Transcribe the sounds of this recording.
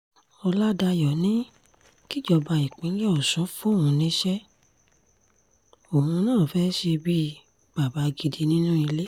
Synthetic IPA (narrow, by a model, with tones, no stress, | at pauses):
ɔ˧la˦da˧jɔ˨nĩ˦ | ki˦˨d͡ʒɔ˧ba˧i˨k͡pĩ˨˦lɛ˦ɔ˨sɔ̃˨˦fũ˦˨ũ˧nĩ˦ʃɛ˦ | o˨hũ˧nãː˦˨fɛ˦ʃe˧bi˦˧ | ba˨ba˨˧˦ɡi˧di˧nĩ˦nũ˦i˧le˦